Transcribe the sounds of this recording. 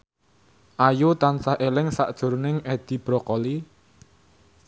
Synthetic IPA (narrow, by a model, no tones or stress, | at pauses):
ʔajut̪ansaʔelɪŋsa̰ʔd̥ʒ̥ʊ̤rnɪŋed̪̥i̤b̥ɾɔkɔli